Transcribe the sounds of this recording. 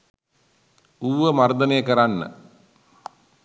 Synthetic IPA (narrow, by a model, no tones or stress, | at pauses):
uːʋəmard̪ənejəkəɾanːə̰